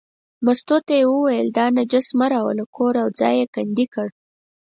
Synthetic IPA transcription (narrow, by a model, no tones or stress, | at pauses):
mast̪ot̪ajewəwajəld̪ɑnad͡ʒasmaɾawalakoɾawd͡zɑ̰jekand̪ikəɽ